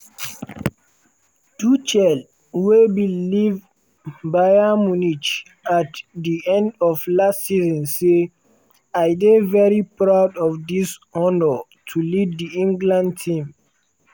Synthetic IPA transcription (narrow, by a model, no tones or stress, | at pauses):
tut͡ʃɛl | webiliv | bajamunit͡ʃ | atdiɛ̃ndɔvlastsizɔ̃nse | ajdevɛɹipɹawdɔfdishɔnə | tʰulivdiĩŋɡlãntʰĩm